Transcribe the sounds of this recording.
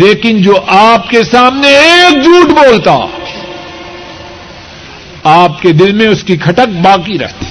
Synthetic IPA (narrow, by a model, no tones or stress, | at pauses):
leːkɪnd͡ʒoːʔaːpkesaːmneeːk̚d͡ʒuːʈboːlt̪a̰ | aːp̚ked̪ɪlmẽʊskikʰɐʈək̚baːkiɾɐ̰ɦt̪i̥